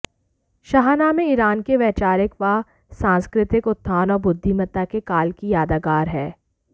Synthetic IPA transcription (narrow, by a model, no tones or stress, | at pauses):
ʃɐɦaːnamẽiɾaːnkeʋɛːt͡ʃaːɾɪkʋa | sãːnskɾɪt̪ɪkʊt̪ʰːaːnɔːɾbʊd̪ʱːimɐt̪akekaːlkijaːd̪aɡaːɾɦɛː